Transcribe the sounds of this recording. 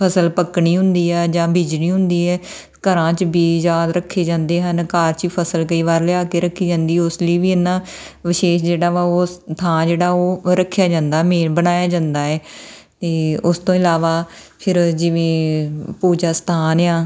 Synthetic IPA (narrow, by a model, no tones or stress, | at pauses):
pʰəsəlpəkɳiːɦʊ̃nd̪iːɛːd͡ʒãːbiːd͡ʒɽiːɦʊ̃nd̪iːɛː | kəɾãːt͡ʃbiːzaːd̪ɾəkʰːeːd͡ʒãːnd̪eːɦənkaːɾt͡ʃiːpʰəsəlkəiːʋaːɾlɪaːkeːɾəkʰːiːd͡ʒãːnd̪iːɛːʊsliːʋiːɪnːãː | ʋɪʃeːʃd͡ʒeːɽaːʋaːoːt̪ʰãːd͡ʒeːɽaːoːɾəkʰːjaːd͡ʒãːnd̪aːmeːnbənaːjaːd͡ʒãːnd̪aːɛːt̪eːʊst̪õːɪlaːʋaːpʰɪɾd͡ʒɪʋẽːpuːd͡ʒaːst̪ʰaːnjãː